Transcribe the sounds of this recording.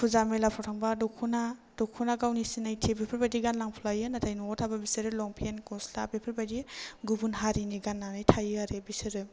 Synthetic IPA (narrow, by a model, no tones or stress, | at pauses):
pʰuzamelapʰɔtʰaŋbadɔkʰunadɔkʰunaɡawnisinajtʰibepʰɯɾbadiɡanlaŋpʰulajɯnatʰajnuɔtʰababisɯɾɯlɔŋpʰenkɔsla̰bepʰɯɾbadiɡubunɦaɾiniɡanːanajtʰajɯaɾebisɯɾɯ